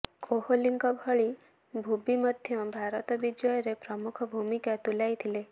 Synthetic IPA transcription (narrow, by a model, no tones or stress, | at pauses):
kʰoholiŋkɔbʱɔɭi | bʱubimɔd̪ʱjɔbʱaɾɔt̪ɔbid͡ʒɔjɔɾepɾɔmukʰɔbʱumikat̪ulajt̪ʰile